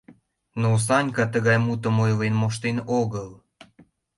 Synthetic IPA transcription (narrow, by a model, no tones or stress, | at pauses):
nos̬ɑnʲkɑt̪əɣɑjmut̪əmojvenmoʃ̬t̪enoɣəl